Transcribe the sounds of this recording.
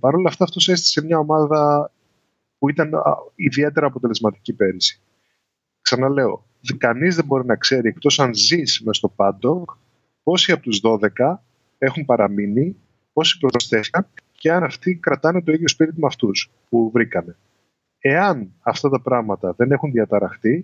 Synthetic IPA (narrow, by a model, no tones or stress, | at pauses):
pɐɾo̞lɐft̪ɐːft̪o̞sest̪i̥se̞mɲɐo̞mɐðɐ | puit̪ɐn̰iðie̞t̪e̞ɾɐːpo̞t̪e̞le̞zmɐt̪icipe̞ɾisi̥ | ksɐnɐle̞o̞̰ | kɐnizðe̞mbo̞ɾinɐkse̞ɾiekt̪o̞sɐnzismest̪o̞pɐnd̪o̞k | po̞siɐpot̪uzðo̞ðe̞kɐ | e̞xumpɐɾɐmini | po̞si̥pɾoðosθe̞θikɐnce̞ɐnɐft̪ikɾɐt̪ɐne̞t̪o̞iðjo̞spiɾit̪̬imɐft̪us | puvɾikɐne̞ | e̞ɐnɐft̪ɐt̪ɐpɾɐɣmɐt̪ɐðe̞ne̞xunðiɐt̪ɐɾɐxt̪i